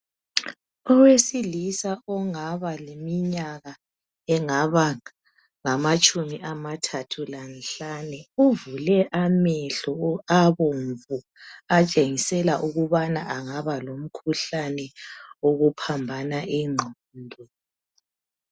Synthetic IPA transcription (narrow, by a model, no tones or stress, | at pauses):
ɔwesilisaɔŋaβalemiɲaɣa | ɛŋaβa | ŋamat͡ʃʼumiʔamatʰatʰulanɬanɛuvulɛʔamɛɬɔaβoɱvu | at͡ʃʼeŋisɛlaʔuɣuβanaʔaŋaβalom̩kʰuɬanɛoɣupʰambʱanaʔiŋ͡ǃʱo | ndʱɛ